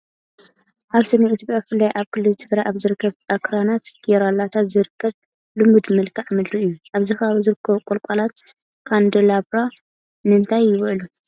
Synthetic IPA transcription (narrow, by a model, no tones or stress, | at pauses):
haβsɐnɐit̪ʰjopʼjakfɨlːajʔaβkʰɨlːɨlt͡ʃʰɨɡɾaʔaβzɨɾɨkʰːɐβʔakʰɾanat̪ɡ̥ɛɾalːat̪ʰat̪zɨɾɨkʰːɐβ | lɨmud̪mɨlkʰaʕmɨd̪ɾuɨjːuʔaβzɨxaβuzɨɾɨkʰːɐβukʼolkʷʼalat̪ | kʰand̪elaβɾa | nɨɨnt̪ʰajːɪβʕlu